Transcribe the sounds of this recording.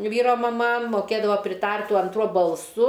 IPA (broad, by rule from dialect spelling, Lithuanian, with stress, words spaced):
ˈʋʲiːroː mɐˈmɐ moːˈkʲeːdɐʋoː pʲrʲɪˈtɐrt tuɔ ɐnˈtruɔ bɐlˠˈsʊ